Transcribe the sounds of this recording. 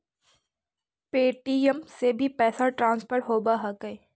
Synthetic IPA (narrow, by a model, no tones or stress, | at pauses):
peːʈiəmsebʱipɛːsaʈɾãːnspəɾʈɦoːbaɦɐkəeː